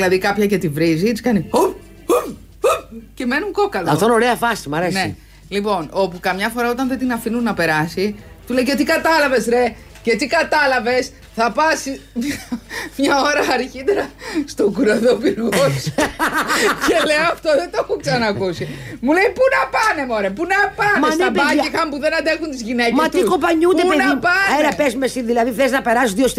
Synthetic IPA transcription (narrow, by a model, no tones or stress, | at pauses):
lɐðikɐpçɐce̞t̪ivɾizit̪iskɐnio | ce̞me̞nuŋko̞kɐloɐft̪oino̞ɾeɐfɐsimɐɾene̞ | lipo̞no̞pukɐmɲɐfo̞ɾɐo̞t̪ɐnðet̪inɐfinunːɐpe̞ɾɐsit̪ule̞jcet̪ikɐt̪ɐlɐve̞sɾe̞ | ce̞t̪ikɐt̪ɐlɐve̞s | θɐpɐsim | mɲɐoɾɐːɾçit̪eɾɐst̪okuɾɐðopilɣos | celeoɐft̪oðet̪oxuksɐnɐkusimulejpunɐpɐnemoɾepunɐpɐmɐnepɐiixɐmpuðenɐnd̪exunt̪izʝineceɐt̪ikompɐɲund̪eenpɐeɾɐpezmesinðilɐðiðeznɐpeɾɐsðios